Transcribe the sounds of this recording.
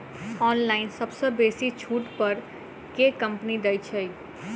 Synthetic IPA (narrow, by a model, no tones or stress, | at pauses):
ɔːnlaɪnsəbsəbesit͡ʃʰuːʈpəɾ | kekəmpnid̪əjt͡ʃʰəj